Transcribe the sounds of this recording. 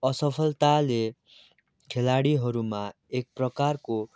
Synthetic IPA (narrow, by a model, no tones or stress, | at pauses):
ʌsʌpʰʌlt̪ale | kʰelaɽiɦʌɾuma | ek̚prʌkarko